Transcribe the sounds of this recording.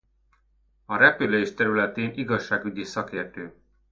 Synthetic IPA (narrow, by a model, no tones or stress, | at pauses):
ɒɾɛpyleːʃt̪ɛɾylɛt̪eːniɡɒʃːaːɡyɟisɒkeːrt̪øː